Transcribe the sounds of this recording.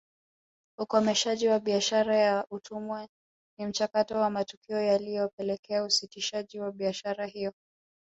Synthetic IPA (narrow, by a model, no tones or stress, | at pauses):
ukɔmɛʃaʄiwaɓiaʃaɾajaʔutʰumwɛ | nim̩t͡ʃakatɔwamatukiɔjalijɔpɛlɛkɛausitiʃaʄiwaɓiaʃaɾaɦijɔ